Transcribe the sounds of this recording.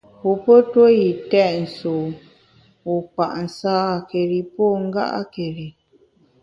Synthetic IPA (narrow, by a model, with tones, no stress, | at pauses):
hu˨po˦two˦ji˨tɛ˦˨ʔn̩˨so˨ | u˨k͡pa˨ʔn̩˨saː˦˨ke˨ɾi˨po˦ŋ̩˦ɡa̰˦ʔa̰˦ke˨ɾi˨